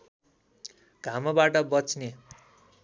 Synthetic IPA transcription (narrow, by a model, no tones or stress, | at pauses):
ɡ̥ʱamabaʈʌbʌt͡sne